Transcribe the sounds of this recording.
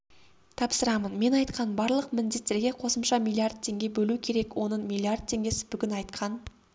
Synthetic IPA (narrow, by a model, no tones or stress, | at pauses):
t̪ʰɑpsəɾɑmənme̞nɑjt̪qɑnbɑɾlˠəqmɪnd̪e̞t̪ːe̞ɾɡʲe̞qʰo̞səmʃɑmʲilˠiard̪̚t̪ʰe̞ŋɡʲe̞bɵlukʲʰe̞ɾe̞kwo̞nəmʲilˠiard̪̚t̪ʰːe̞ŋɡʲe̞sɪ̥bʏɡʲɪnɑjt̪qʰɑn